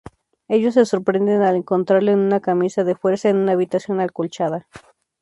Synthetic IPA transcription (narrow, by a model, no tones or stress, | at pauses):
e̞ʝo̞s̬ːe̞so̞ɾpɾe̞nd̪enaleŋko̞nt̪ɾaɾleenunakamisaðe̞fwe̞ɾsaenunaːβit̪asjo̞nalkolt͡ʃaða